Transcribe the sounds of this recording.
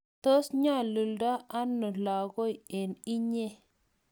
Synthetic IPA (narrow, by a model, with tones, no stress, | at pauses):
t̪o˦sɲa˦˨lu˨lda˦a˦nːo˨la˨ɡo˦je˨ni˦ɲe˦